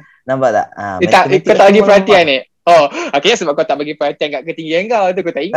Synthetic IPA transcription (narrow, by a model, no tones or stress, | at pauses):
nambaʔla̰ʔit̪aʔkkawt̪aʔbaɡipəɾant̪iane | ɔakiɲasəbap̚kat̪aʔbaɡipəɾant̪iankaʔkət̪iŋɡiəŋɡalt̪ukot̪aʔiŋ